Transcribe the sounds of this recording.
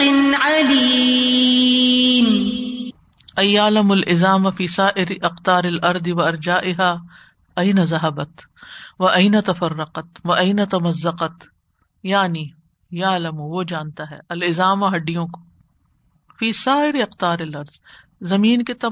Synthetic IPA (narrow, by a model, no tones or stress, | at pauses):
ɪnʕali | m | ɐjaːlɐmʊlʔɪzaːmafiːsaːʔɪɾiʔɐqt̪aːɾɪlʔɐɾd̪ɪʋɐɐɾd͡ʒaːʔɪɦaː | ɐɪnazɐɦɐbɐt̪ | ʋɐʔɐɪnɐt̪ɐfɐrːɐqɐt̪ʋɐʔɐɪnɐt̪ɐmɐzːɐqɐt̪ | jaːni | jaːlɐmuʋod͡ʒaːnt̪aɦɛ̰ːɐlɪzaːmaɦɐɖːijõko̥ | fiːsaːɪɾiɐqt̪aːɾɪlɐɾz | zɐmiːnket̪ɐ